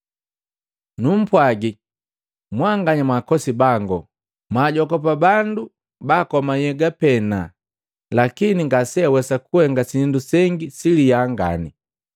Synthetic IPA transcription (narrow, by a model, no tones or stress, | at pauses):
num̩pwaɡi | mwaŋɡaɲamwakɔsibaŋɡɔ | maːɟɔkɔpabandu | baːkɔmajɛɡapɛna | lakiniŋɡasɛawɛsakuhɛŋɡasindusɛŋɡisilijaŋɡa̰ni